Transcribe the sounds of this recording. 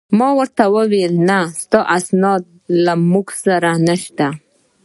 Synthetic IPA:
mɑwəɾt̪awəwelnast̪ɑʔasnɑd̪̚lamuɡsaɾanəʃt̪a

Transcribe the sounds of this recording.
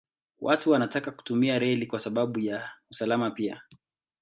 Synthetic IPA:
wʔatuwanatakaku̥tumiaɾɛlikwasaɓaɓujausalamapia̰

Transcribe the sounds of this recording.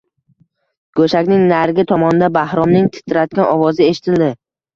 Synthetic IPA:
ɡ̥ɵʃakʲnɪŋnaɾɡʲɪt̪ʰɒmɒnɪd̪abahɾɒmnɪŋt̪ʰɪ̥t̪ʰːɪɾat̪̚kʲanɒvɒzɪeʃɪ̥t̪ʰɪld̪ɪ

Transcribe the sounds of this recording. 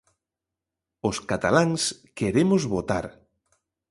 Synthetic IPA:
ʊskat̪alaŋskeɾemʊzβot̪a̰ɾ

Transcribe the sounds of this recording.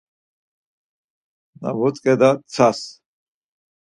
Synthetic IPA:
na̰vɔt͡sʼkʼɛd̪at͡sʰas

